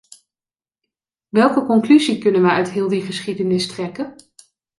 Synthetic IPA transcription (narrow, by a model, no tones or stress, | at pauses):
ʋɛlˠkəkɔŋklyzikɵnənʋəœɥtɦɪːlˠdiχəsχidənɪstrɛkən